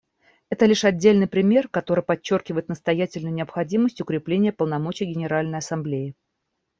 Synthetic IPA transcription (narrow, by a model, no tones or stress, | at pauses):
ɛt̪əlʲiʂɐdʲːelʲnɨjpɾʲɪmʲe̞rkɐt̪o̞ɾɨjpɐt͡ɕːo̞rkʲɪvəjɪt̪nəst̪ɐjætʲɪlʲnʊjʊnʲɪɐpxɐdʲiməsʲtʲʊkɾʲɪplʲenʲɪjəpəlˠnɐmo̞t͡ɕɪjɡʲɪnʲɪɾalʲnəjɐsɐmblʲejɪ